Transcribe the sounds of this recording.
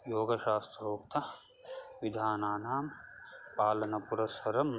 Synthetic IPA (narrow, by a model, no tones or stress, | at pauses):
joːɡɐʃaːst̪ɾɐɾoːkt̪ʰɐ | ʋid̪ʱaːnaːnaːm | paːlɐnɐpuɾɐsɐɾɐm